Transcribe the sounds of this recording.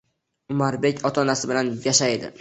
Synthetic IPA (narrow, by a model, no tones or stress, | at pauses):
ʊmaɾbe̞kʲʰɒt̪ʰɒnasɪbɪlanjaʃajd̪ɪ̰